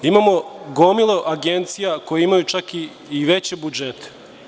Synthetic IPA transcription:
imamo̞ɡomilˠo̞ʔaɡe̞nt̪sijako̞jeimajut͡ʃakiː | ʋet͡ɕebud͡ʒet̪e̥

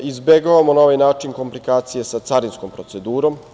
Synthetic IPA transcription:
izbeɡoʋamonaoʋajnaːt͡ʂinko̞mplikaːt̪sijesat̪saɾinsko̞mpɾo̞t̪se̞d̪uːɾo̞m

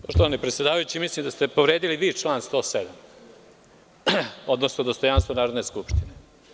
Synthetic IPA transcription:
poʃt̪oʋanipɾet̪sjed̪aːʋajut͡ɕimislimd̪ast̪e̞po̞ʋɾeːd̪iliʋit͡ʃlˠaːnst̪o̞ːsed̪am | o̞d̪nosnod̪ost̪o̞janst̪ʋonaːɾod̪neskupʃt̪ine

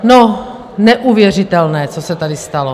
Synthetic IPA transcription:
no | nɛʔuvjɛr̝ɪt̪ɛlnɛːt͡sosɛt̪adɪst̪alo

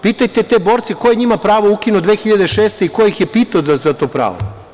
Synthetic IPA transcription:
piːt̪ajt̪et̪ebo̞ːɾt̪sekojeɲimapɾaːʋoukinod̪ʋeːxiʎad̪eʃeːst̪e̞ikoeixjepit̪aozazat̪oːpɾa̰ːʋo̰

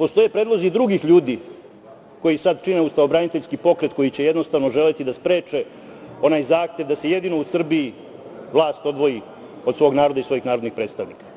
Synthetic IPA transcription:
po̞st̪o̞jepɾed̪lˠo̞zid̪ɾuɡixʎuːd̪i | ko̞jisad̪t͡ʃineust̪aobɾanit̪eʎʲskipo̞kɾe̞t̪ko̞jit͡ɕeje̞d̪no̞st̪aʋno̞ʒe̞let̪id̪aspɾe̞ːt͡ʂe̞ | o̞naːjzaːxt̪e̞ʋd̪ase̞jed̪inousr̩bii | ʋlˠaːst̪o̞d̪ʋo̞ji | od̪sʋo̞ːɡnaːɾo̞d̪aisʋo̞jixnaːɾod̪nixpɾe̞ːt̪st̪aʋnikḁ

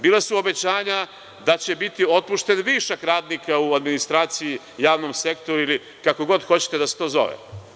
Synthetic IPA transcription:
biːlˠasuo̞be̞t͡ɕaːɲa | d̪at͡ɕe̞bit̪io̞t̪̚puʃt̪e̞nʋiːʃakɾaːd̪nikauad̪minist̪ɾaːt̪siji | jaːʋno̞mse̞kt̪o̞ɾuili | kako̞ɡo̞d̪xo̞t͡ɕe̥t̪e̞d̪ase̥t̪o̞ːzo̞̰ʋḛ

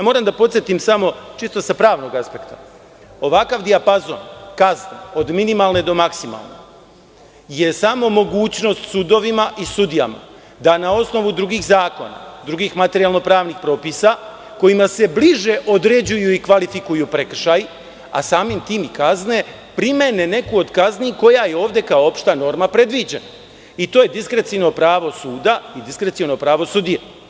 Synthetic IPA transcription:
jamo̞ɾamd̪apo̞t̪sjet̪imsamo̞t͡ʃist̪osapɾaːʋno̞ɡaspe̞kt̪ḁ | o̞ʋakaʋd̪iapazo̞nkazneo̞d̪minimalne̞d̪o̞maksima̰lˠne̞̰ | jesamo̞mo̞ɡuːt͡ɕno̞st̪sud̪o̞ʋimaʔisud̪ija̰ma̰ | d̪anao̞sno̞ʋud̪ɾuɡiːxzaːko̞̰na̰d̪ɾuɡiːxmat̪e̞ɾialno̞pɾaːʋnixpɾo̞ːpisa | ko̞jimase̞bliʒe̞ʔod̪ɾed͡ʑujuikʋalifikujupɾe̞kr̩ʃaj | a̰saːmimt̪iːmikazne̞ | pɾime̞ne̞ne̞kuo̞d̪kazniko̞jajeo̞ːʋd̪e̞kaoo̞pʃt̪ano̞ɾmapɾe̞d̪ʋid͡ʑe̞na | it̪o̞ːje̞d̪iskɾet̪sino̞pɾaːʋo̞suːd̪aid̪iskɾet̪siono̞pɾaːʋo̞sud̪ije

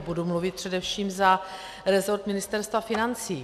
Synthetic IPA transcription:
budumluvɪt̪̚pr̝̥ɛdɛfʃiːmza | ɾɛzo̞ɾt̪mɪnɪst̪ɛɾst̪vafɪnant͡siː

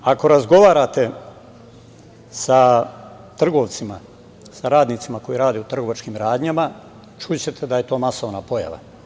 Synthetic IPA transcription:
ako̞ɾazɡo̞ʋaːɾat̪e | sa | t̪r̩ɡo̞ːʋt̪sima | saɾaːd̪niːt̪simako̞jiɾaːd̪eut̪r̩ɡo̞ʋat͡ʃkiːmɾaːd̪ɲama | t͡ʃut͡ɕet̪ʰed̪aje̞t̪o̞ːmasoʋnapo̞ja̰ʋa̰

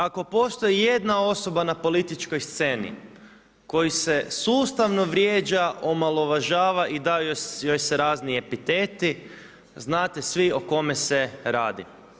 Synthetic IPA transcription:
ako̞po̞ːst̪o̞jije̞d̪nao̞so̞banapo̞lit̪it͡ʃkojst̪se̞ːnḭ | ko̞jise̞suːst̪aʋno̞ʋɾjeːd͡ʒaʔo̞malˠo̞ʋaʒaːʋaʔid̪aojojseɾaːznie̞pit̪e̞ːt̪i | znaːt̪e̞sʋio̞ko̞meseɾaːd̪i

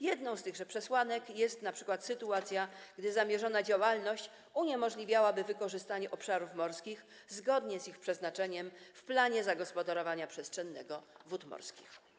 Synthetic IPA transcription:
jɛd̪nɔ̃w̃st̪ɘɣʐɛpʂɛswanɛkjɛst̪napʂɘ̥kwat̪sɘt̪uat̪sʲjaɡ̥d̪ɘzamʲjɛʐɔnad͡ʑawalnɔɕt͡ɕ | uɲɛmɔʐlʲivʲjawabɘvɘkɔʐɘst̪aɲɛʔɔpʂaɾufmɔɾskʲix | zɡɔd̪ɲɛzixpʂɛznat͡ʂɛɲɛmfplaɲɛzaɡɔspɔd̪aɾɔvaɲapʂɛstʂɛnːɛ̰ɡɔvut̪mɔ̰ɾskʲix

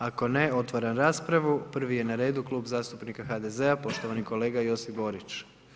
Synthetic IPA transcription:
ako̞ne̞o̞t̪ʋaɾanɾaːspɾaʋupr̩ʋije̞naɾe̞ːd̪uklˠuːbzaːst̪upnikaxad̪e̞zeapo̞ʃt̪oʋaniko̞le̞ːɡajo̞sifbo̞ɾit͡ʃ

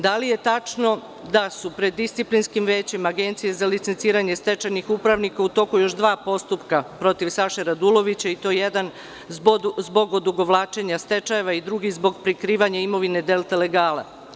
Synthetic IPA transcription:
d̪alije̞t̪at͡ʃno̞ | d̪asupɾed̪ːist̪siplinskimʋe̞ːt͡ɕimaɡe̞nt̪sijezalit̪sent̪siːɾaɲe̞st̪e̞t͡ʃajnixupɾaʋnikaut̪o̞kujo̞ʃd̪ʋaːpo̞st̪upkapɾo̞t̪iʋsaʃeɾad̪ulo̞ʋit͡ɕait̪o̞ːjed̪an | zbo̞ɡod̪uɡo̞ʋlˠaːt͡ʃe̞ɲast̪e̞t͡ʃaje̞ʋaid̪ɾuɡihzbo̞ɡpɾikɾiːʋaɲaimo̞ʋine̞d̪e̞lˠt̪ele̞ɡaːla̰

